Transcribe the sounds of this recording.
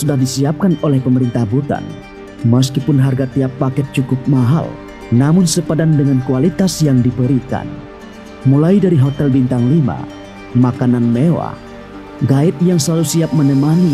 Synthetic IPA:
sudahdisiap̚kanolɛhpəməɾint̪ahbut̪a̰n | məs̬kipʊnɦarɡat̪iapːakɛt̪̚t͡ʃukʊp̚maɦa̰l | namʊnsəpadandəŋankualit̪asjaŋdibəɾika̰n | mulajdaɾiɦot̪ɛlbint̪aŋlima̰ | makananmewa̰ | ɡaɪt̪̚jaŋsəlalusiap̚mənəmani

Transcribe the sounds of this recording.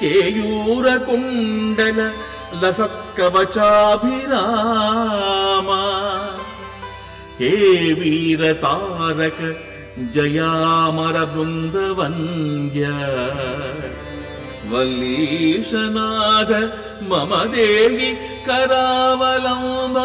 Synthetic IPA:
keːjuːɾɐkuɳɖɐlɐ | lɐsɐkːɐʋɐt͡ʃaːbʱiɾaː | mɐ | keːʋiːɾɐt̪aːɾɐkɐ | d͡ʒɐjaːmɐɾɐbɾund̪ɐʋɐŋɡjɐ | ʋɐlːiːʂɐnaːd̪ʱɐ | mɐmɐd̪eːɦi | kɐɾaːʋɐlɐmbɐ

